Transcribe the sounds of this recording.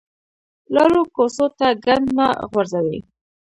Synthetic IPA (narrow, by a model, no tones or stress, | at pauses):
lɑɾokosot̪aɡand̪naɣwaɾzawe